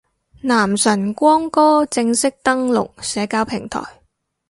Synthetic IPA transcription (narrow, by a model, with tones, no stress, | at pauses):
naː˨˩msɐ˨˩nkʷɔː˥ŋkɔː˥t͡sɪ˧ŋsɪ˥k̚t̪ɐ˥ŋlʊ̰˨k̚sɛː˨˥kaː˧wpʰɪ˨˩ŋt̪ʰɔ̰ː˨˩j